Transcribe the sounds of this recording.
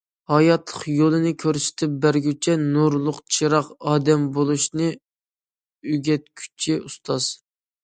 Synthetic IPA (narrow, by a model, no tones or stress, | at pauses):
hɑjɑt̪lˠəχjolˠɨnɨkʲʰøɾsɪ̥t̪ʰɪp̚bæɾɡʲyt͡ʃʰɛnuɾlˠʊqt͡ʃʰiɾɑqɑːd̪ɛmbolˠuʃnɨ | yɡʲɛt̪̚kʲʰy̥t͡ʃʰiust̪ʰɑz̥